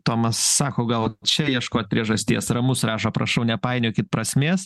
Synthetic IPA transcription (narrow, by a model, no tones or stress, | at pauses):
t̪oːmɐsːɑːkoːɡɐlˠt͡ʃʲɛjiɛʃkoːt̪̚ʲpʲɾʲiɛʒɐsʲt̪ʲiɛsrɐmʊsɾɑːʃoːpɾɐʃɐʊnʲɛpɑɪnʲoːkʲɪt̪pɾɐsʲmʲeːs